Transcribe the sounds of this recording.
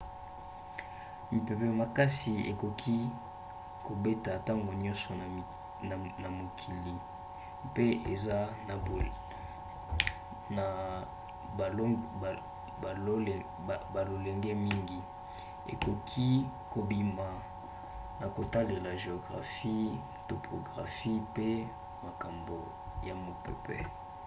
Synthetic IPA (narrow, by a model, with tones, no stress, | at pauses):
mi˨pe˨pɛ˨ma˨ka˦si˨ḛ˨ko˨kʰi˦ | ko˨be˦ta˨ta˦ŋɡo˨ɲɔ̃˦nsɔ˨ | na˨na˨mo˨kʰi˨li˨ | pe˦e˨za˦na˨ | na˨ | l | a˨˦˨ | ba˨lo˨le˨ŋɡɛ˦mi˦ŋɡi˨ | ḛ˨ko˨kʰi˦ | ko˨bi˨ma˨ | na˨ko˨ta˦le˨la˨ʒe˨o˨ɡʁa̰˨fi˦ | to˨pʰo˨ɡʁa˨fi˦pe˦ | ma˨ka˨mbo˨ | ja˨mo˨pɛ̰˨pʰɛ̰˨